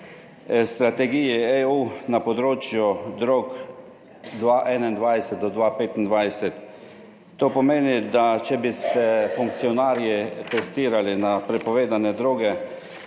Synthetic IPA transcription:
st̪ɾat̪ɛɡijieunapɔd̪ɾoːt͡ʃjud̪ɾok | d̪ʋaʔɛnaind̪ʋajsɛt̪̚d̪ɔd̪ʋapeːt̪ind̪ʋajsɛt̪ː | oːpɔmeːnid̪at͡ʃɛbisɛfuŋk̚t̪sijɔnaːɾjit̪ɛst̪iːɾalinapɾɛpɔʋeːd̪anɛd̪ɾoːɡɛ

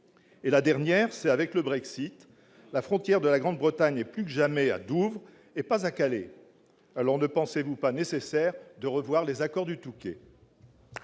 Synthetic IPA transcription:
elad̪ɛʁnjɛʁsɛt̪avɛkləbʁɛksit̪ | lafχɔ̃t̪jɛʁd̪əlaɡʁɑ̃d̪bʁət̪aɲɛplykəʒamɛa̰d̪uvʁ | epazakalḛ | alɔʁnəpɑ̃sevupanesesɛʁd̪əʁəvwaʁlezakɔʁd̪yt̪ukʲḛ

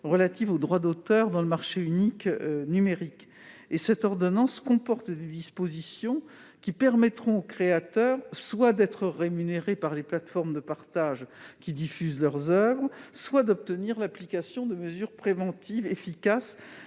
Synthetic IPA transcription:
ʁəlat̪ivod̪ʁwad̪ot̪œʁd̪ɑ̃ləmaʁʃeyniknymeʁik | esɛt̪ɔʁd̪ɔnɑ̃skɔ̃pɔʁt̪d̪ed̪ispozisjɔ̃ | kʲipɛʁmɛt̪χɔ̃okχeat̪œːʁswad̪ɛt̪χəʁemyneʁepaʁleplat̪fɔʁmd̪əpaʁt̪aʒkʲid̪ifyzlœʁzœvʁəswad̪ɔp̚t̪əniʁlaplikasjɔ̃d̪əməzyʁpχevɑ̃t̪ivefikas

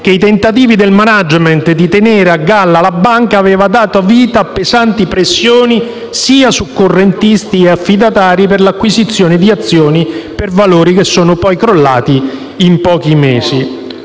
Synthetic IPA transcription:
k̟eit̪ent̪at̪̬iːvid̪elmanad͡ʒmɛnt̪d̪it̪eneːɾeaɡːalːalabaŋkaːveːvad̪aːt̪oaviːt̪aːpːezant̪ipɾesːjoːni | siːasukːorːent̪ist̪ieafːid̪at̪aːɾip̬erlakːwizit̪sːjoːned̪iat̪sːjoːnipervaloːɾik̟esːoːnʊpɔjkɾolːaːt̪iː | mpɔːk̟imeːzi

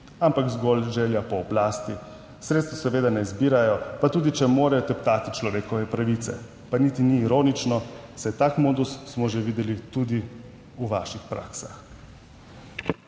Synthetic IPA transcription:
ampakzɡolʒɛljapɔːblaːst̪i | sɾet̪st̪ʋɔsɛʋeːd̪anɛzbiːɾajɔpat̪uːd̪it͡ʃɛmoːɾajɔt̪ɛpt̪aːt̪it͡ʃlɔʋeːkɔʋɛpɾaʋit̪sɛ̰ | panit̪iniːɾoːnit͡ʃnɔsɛjt̪aːkmoːd̪usːmɔʒeʋiːd̪ɛlit̪ud̪i | uʋaːʃixpɾa̰ːksax

